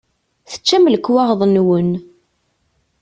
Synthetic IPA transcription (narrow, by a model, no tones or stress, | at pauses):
θə̥t͡ʃːæmləkːwaʁðˤnwən